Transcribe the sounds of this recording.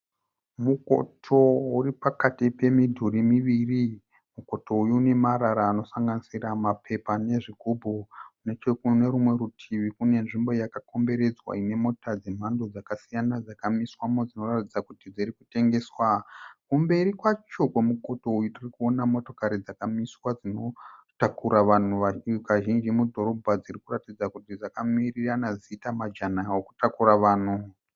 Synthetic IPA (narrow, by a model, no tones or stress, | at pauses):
muko̞̰tʰo̞uɾipakatipe̞midʱuɾimiʋiri | muko̞to̞ujuːne̞maɾaɾaːno̞saŋɡanisiramapʰe̞pane̞ʐiɡʱobʱoune̞t͡ʃekune̞ɾumwe̞ɾutʰiʋikune̞nʐimbo̞jakako̞mbe̞ɾe̞d͡zwa̰ine̞mo̞tad͡ze̞m̤ando̞d͡zakasijanad͡zakamiswamod͡zino̞ratid͡zakutid͡zirikute̞ŋɡe̞ːswakumbe̞ɾikwat͡ʃo̞kwe̞muko̞to̞ujotirikuo̞namo̞to̞kaɾid͡zakamiswad͡zino̞takuɾaʋan̤uakaʒind͡ʒimudʱo̞ɾo̞bʱad͡zirikuratid͡zakutid͡zakamiriranazitamad͡ʒanawoku̥takuraʋaːn̤u